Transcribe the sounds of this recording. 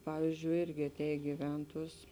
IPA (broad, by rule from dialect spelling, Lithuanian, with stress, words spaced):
ˈpɑːʋʲiːzʲd͡ʒʲʊɪ ˈɪrʲɡʲɪ ɐˈtʲɛːj ɡʲɪˈʋʲɛntuɔs